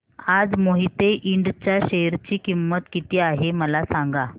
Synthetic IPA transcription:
ad͡zmoɦit̪eʔiɳɖt͡ɕjaɕeɦɾt͡ɕiːkimːət̪kit̪iːaɦeməlasaŋɡa

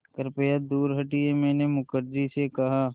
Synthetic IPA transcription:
kəɾpeːjad̪uːɾɦɐʈiemɛ̃ːnemʊkəɾd͡ʒisekɐɦa

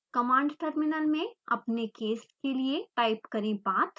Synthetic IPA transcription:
kɐmãːɳɖʈəɾmɪnəlmẽɐ̰pnekeːsʈkelieʈaːɪpkɐɾẽbaːt̪

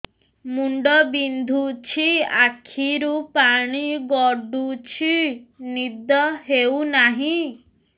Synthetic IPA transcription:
muɳɖɔbind̪ʱut͡ʃʰiakʰiɾupaɽ̃iɡɔɖut͡ʃʰinid̪ɔɦeunaɦĩ

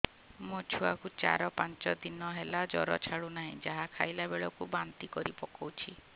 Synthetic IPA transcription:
mot͡ʃʰuakut͡ʃa̰ɾɔpant͡ʃɔd̪inɔɦelad͡ʒɔɾɔ̰t͡ʃʰaɽunaɦĩd͡ʒaɦakʰajlabeɭɔkubant̪ikɔɾipɔkɔwt͡ʃʰi

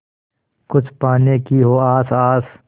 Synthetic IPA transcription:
kʊt͡ʃʰpaːnekiɦoːaːsaːs

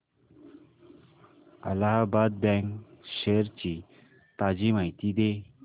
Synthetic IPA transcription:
a̰laɦabad̪̚bɛŋkɕeɾt͡ɕi | t̪ad͡ʑimajt̪id̪e

